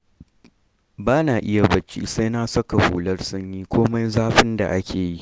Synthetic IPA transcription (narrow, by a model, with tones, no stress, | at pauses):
baː˦naː˨ʔɪ˦ja˨bɐ˦t͡ʃːḭ˦sa˦jnaː˦sɐ˦ka˨hṵː˨lɐ˦rsʊ˦ɲjiː˦kʷoː˦mɐ˦jzaː˦ɸɪ˦nda̰˨ʔa˦kʲʰeː˨ji˦ʔ